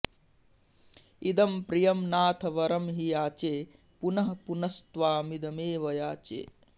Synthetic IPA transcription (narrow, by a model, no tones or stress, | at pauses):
id̪ɐmpɾijɐmnaːt̪ʰɐʋɐɾɐmɦijaːt͡ʃeː | punɐɦɐpunɐst̪ʋaːmid̪ɐmeːʋɐjaːt͡ʃḛː